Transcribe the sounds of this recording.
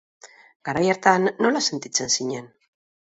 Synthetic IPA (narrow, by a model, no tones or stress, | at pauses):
ɡ̥aɾajaɾt̪anːo̞lase̞nt̪it͡se̞nsiɲen